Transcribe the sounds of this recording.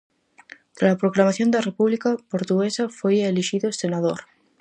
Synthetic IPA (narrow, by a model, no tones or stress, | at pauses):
t̪aapɾoklamaθjo̞nd̪arepuβlikapoɾt̪uɣesafojeliʃiðoesenað̞oɾ